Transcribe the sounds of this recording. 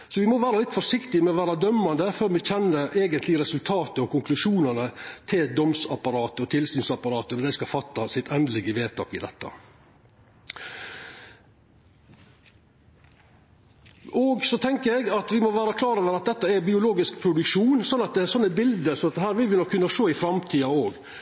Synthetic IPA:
sɔʋɪmɔʋæːɾəlɪt̪ːfɔʂɪkt̪ɪmɛɔʋæːɾɑd̪œmːɑnd̪əføːɾmɪçɛnːəɾeːɡənt̪lɪɾɛsʉlt̪ʰɑːt̪əɔkʊŋklʉʂuːnənət̪ʰɪld̪ɔmsɑpɑɾɑːt̪əɔt̪ʰɪlsyːnsɑpɑɾɑːt̪ənɔd̪ɛɪskɑfɑt̪ːɑsɪt̪ɛnd̪lɪɡəʋeːt̪ʰɑ̰ːkɪ̰d̪ɛ̰t̪ːɑ̰ | ʔɔɡsɔt̪ʰɛŋkəɾɛɡɑt̪ʋɪmɔʋæːɾɑkʰlɑːɾɔʋəɾɑt̪̚d̪ɛt̪ːəæɾbɪʊloːɡɪskpʰɾʊd̪ʉkʂuːnsɔnːɑt̪̚d̪ɛsɔnːəbɪld̪əɾsɔnɑt̪d̪hæːɾʋɪlʋɪnɔkʰːʉnːɑʂoːɪfɾɑmt̪ʰiːɑoːɡ

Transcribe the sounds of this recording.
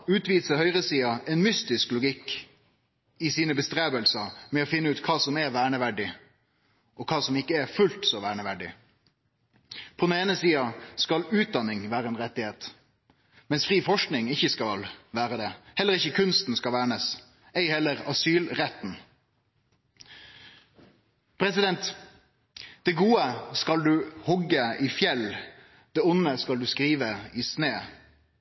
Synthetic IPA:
ʉːt̪ʋiːsəhœʏʁəsiːɑʔɛnmʏst̪ɪsklʊɡɪkː | ɪsiːnəbəst̪ɾeːbəlsəmɛɔfɪnːəʉːt̪kʰɑːsɔmɛʋæːɳəʋæɖɪ | ʔɔkʰɑːsɔmɪkːəɛfʉlt̪sɔʋæːɳəʋæɖɪ̰ | pʰɔd̪neːnəsiːɑskɑlʉːt̪̚d̪ɑnːɪŋʋæːɾəɛnɾɛt̪ːɪheːt̪ | mɛnsfɾiːfɔʂknɪŋɪçəskɑlʋæːɾəd̪ɛhɛlːəʁɪçəkʰʉnst̪n̩skɑlʋæːɳəs | ɛɪhɛlːəʁɑsyːlʁɛt̪n̩ | pʰɾɛsɪd̪ɛnt̪ | d̪̥ɛɡuːəskɑld̪ʉːhɔɡəiːfjɛl | d̪̥ɛːʊnəskɑld̪ʉskɾiːʋəiːsneː

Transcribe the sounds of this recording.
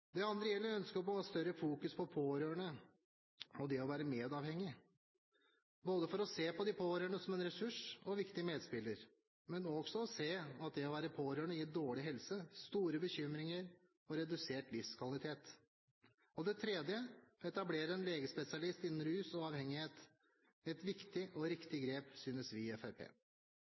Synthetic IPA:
d̪ɛɑnd̪ɾəjɛlːəɾœnskəpɔst̪œɾəfuːkʉspʰɔpʰoːɾøːɳə | ɔd̪ɛɔʋæːɾəmeːd̪ɑːʋhɛŋːɪ | boːd̪əfɔɾɔseːpʰɔd̪ɪpʰoːɾøːɳəsɔmɛnɾɛsʉʂɔʋɪkt̪ɪmeːd̪spɪlːəɾ | mɛnɔɡ̥sɔɔseːɑt̪̚d̪ɛɔʋæːɾəpʰoːɾøːɳəjɪd̪oːɭɪɦɛlsəst̪uːɾəbəçʏmɾɪŋəɾ | ɔɾɛd̪ʉseːʈlɪfskʰʋɑlɪt̪ʰeːt̪ | ɔd̪ɛt̪ʰɾɛːd̪jəɛt̪ɑbleːɾəɛnleːɡəspɛsɪɑlɪst̪ɪnːn̩ɾʉːsɔɑːʋhɛŋːɪheːt̪ | ɛt̪ʋɪkt̪ɪʔɔɾɪkt̪ɪɡɾeːpsyːnəsʋɪɛfæɾpʰḛː

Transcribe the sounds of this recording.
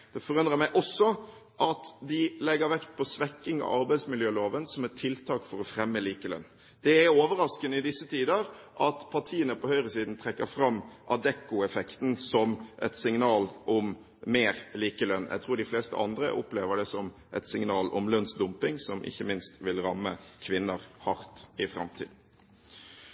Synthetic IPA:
d̪̥ɛfɔɾʉnd̪ʁəmæɪʔɔsːɔ | ʔɑt̪d̪ɪlɛɡəɾʋɛkt̪̚pʰɔsʋɛkːɪŋɑ̰ɑɾbæɪsmɪljøːloːʋənsɔmɛt̪ʰɪlt̪ʰɑːkfɔɾɔfɾɛmːəliːkəlœ̰nː | d̪̥ɛæoːʋəɾɑskənəɪd̪ɪsːət̪ʰiːd̪əɾ | ʔɑt̪pʰɑʈ̪ʰiːənəpʰɔhœʏɾəsiːd̪n̩t̪ʰɾɛkːəɾfɾɑmʔɑd̪ɛkːʊɛfɛkt̪nsɔmʔɛ̰t̪sɪŋnɑːlʔɔmː | eːɾliːkəlœnːjʔæ̰ɡt̪ʰɾuːɖɪfleːst̪ə̰ɑ̰nd̪ɾə̰ʔʊpleːʋəɖɛsɔm | ʔɛ̰t̪sɪŋnɑːlɔmlœnsd̪ʊmpɪŋsɔmʔɪ̰çːəmɪnst̪ʋɪlɾɑmːəkʰʋɪnːəɾhɑɾt̪ɪfɾɑ̰mt̪ʰḭːd̪n̩

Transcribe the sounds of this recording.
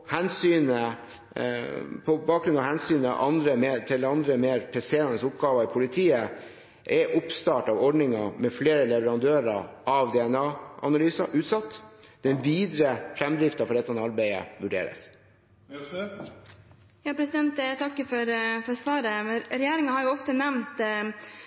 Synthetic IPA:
hɛnsyːnə | pʰɔbɑːkɡɾʉnɑʋhænsyːnə̰ʔɑnd̪ɾəmeːt̪ʰɪld̪ɛɑnd̪ɾəmeːɾpʰɛseːɾɑnəsʊpɡɑːʋɑɪpʰʊlɪt̪ʰiːə | ʔɛʔʊpst̪ɑːʈɑʋɔɖɳɪŋɑmɛfleːɾəlɛʋəɾɑnd̪øːɾɑʔɑʋd̪ɛɛnɑːɑ̰nɑlyːsɑʔʉːt̪sɑt̪ːd̪̥ɛnʋiːd̪ɾəfɾɛmd̪ɾɪft̪ɑfɔɾɛt̪ːɑnɑɾbæɪə̰ʋʉɖḛːɾə̰s | jɑːpʰɾɛsɪd̪ɛnt̪t̪ʰɑkːəfɔɾfɔɾsʋɑːɾəɾɛjeːɾɪŋɑhɑɾjʊɔft̪ənɛʋnt̪

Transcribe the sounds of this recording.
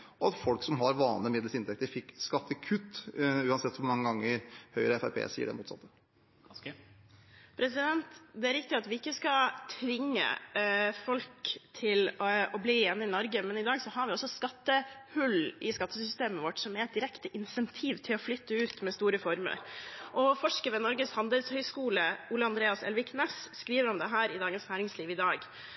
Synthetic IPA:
ɔɑt̪fɔlksɔmɦɑɾʋɑːnləmɪd̪l̩sɪnt̪ʰɛk̚t̪əɾfɪkːskɑt̪ːəkʰʉt̪ːʉːɑnsɛt̪ːɔmɑŋːəɡɑŋːəhœʏɾəɛfæɾpʰḛːsḭːə̰ɖɛ̰muːt̪sɑ̰t̪ːə | pʰɾɛsɪd̪ɛnt̪d̪ɛæɾɪk̚t̪ɪɑt̪ʋɪɪkːəskɑt̪ʰʋɪŋːə̰fɔlkt̪ʰɪlɔbliːeːnːəɪnɔɾɡəmɛnɪd̪ɑːɡsɔhɑɾʋɪɔsːɔskɑt̪ːəhʉlʔɪskɑt̪ːəsʏst̪eːməʋɔʈːsɔmæɾɛt̪̚d̪ɪɾɛkt̪əʔɪnsɛnt̪ʰiːʋt̪ʰɪlɔflʏt̪ːəʉːt̪mɛst̪uːɾəfɔɾmə̰ɾʔɔfɔʂkəʋɛnɔɾɡəshɑnd̪əlshœʏskuːləuːləɑnd̪ɾeːɑsɛ̰lʋɪknɛsskɾiːʋəɾɔmd̪ɛɦæːɾɪd̪ɑːɡənsnæːɾɪŋsliːʋɪd̪ɑːɡ

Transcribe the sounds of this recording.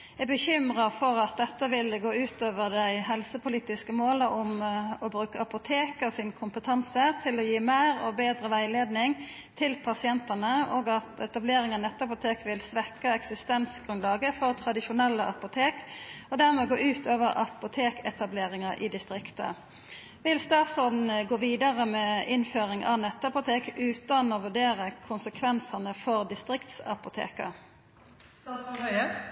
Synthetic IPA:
ɛɡbəçʏmʁəfɔʁɑt̪̚d̪ɛt̪ːəʋɪləɡoːʉːt̪oːʋəʁd̪æɪɦɛlsəpʰʊliːt̪ɪskəmoːləʔʊmɔbʁʉːkəɑpʊt̪ʰeːkəsɪnkʰʊmpət̪ʰɑnsət̪ʰɪlɔjiːmæɪʁɔbeːd̪ʁəʋæɪleːd̪nɪŋ | t̪ʰɪlpʰɑsɪɛnt̪ənəɔɡɑt̪ɛt̪ɑbleːɾɪŋənɛt̪ːəɑpʊt̪ʰeːkʋɪlsʋɛkːəɛksɪst̪ɛnsɡʁʉnlɑːɡəfɔʁt̪ʰʁɑd̪ɪʃʊnɛlːəʔɑpʊt̪ʰeːkɔd̪æʁmɛɡoːʔʉːt̪oːʋəʁʔɑ̰pʊt̪ʰeːkɛt̪ɑbleːʁɪŋɑʔɪ̰d̪ɪst̪ʁɪkt̪ə̰ | ʋɪlst̪ɑːt̪sɔnɡoːʋiːd̪ɑʁəmɛɪnføːʁɪŋʔɑ̰ʋnɛt̪ːɑpʊt̪ʰeːkʉːt̪ɑnoʋʉd̪eːʁəkʰʊnsəkʰʋɛnsɑnəfɔʁd̪ɪst̪ʁɪkt̪sɑ̰pʊt̪ʰḛːkə̰

